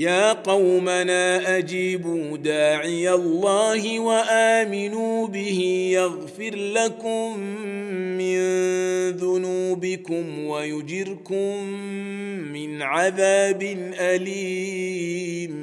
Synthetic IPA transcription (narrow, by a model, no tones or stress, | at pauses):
jaːqɑwmanaːʔad͡ʒiːbuːd̪aːʕɪjalːaːhɪwaʔaːmɪnuːbɪhɪjaɣfɪɾlakʊmː | ɪnðʊnuːbɪkʊmwajʊd͡ʒɪɾkʊmː | ɪnʕaðaːbɪnʔaliː | m